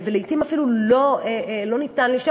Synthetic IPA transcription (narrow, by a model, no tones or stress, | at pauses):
veleitimafiluloelo̞nit̪anliʃa